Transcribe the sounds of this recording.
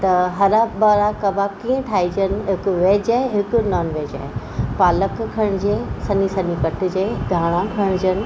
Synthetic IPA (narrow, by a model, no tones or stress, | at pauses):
t̪ɐɦɐɾabɐɾakɐbʱakiːə̃ʈʰaːid͡ʑənɪ̆ɦɪkʊʋeːd͡ʑaːɦeɦɪkʊ̆naːnʋeːd͡ʑa̰ːe | paːləkkʰɐɽ̃d͡ʑeːsɐnisɐnikɐʈ̆d͡ʑeːd̪ʱaːɽ̃ãkʰɐɽ̃d͡ʑənɪ̆